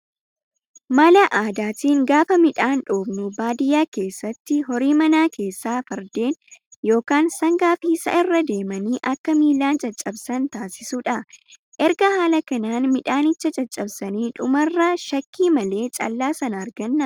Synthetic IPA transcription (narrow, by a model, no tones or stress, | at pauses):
maːlɐʔaːd̪aːt̪iːŋɡaːfɐmɪᶑaːnᶑoːbnʊbaːd̪ɪjaːke̞ːsːɐt̪ːɪɦɔɾiːmɐnaːke̞ːsːaːfɐɾd̪e̞ːnjo̞ːkaːnsɐŋɡaːfiːsɐ̰ʔɪrːɐd̪e̞ːmɐniːʔɐkːɐmiːlːaːnt͡ʃʼɐt͡ʃʼːɐbsɐnt̪aːsɪsuːᶑɐ | ʔɛɾɡɐhaːlɐkɐnaːnmɪᶑaːnɪt͡ʃːɐt͡ʃʼɐt͡ʃʼːɐbsɐniːᶑʊmɐrːɐʃɐkːiːmɐle̞ːt͡ʃʼɐ̰lːaːsɐnɐːɾɡɐnːɐ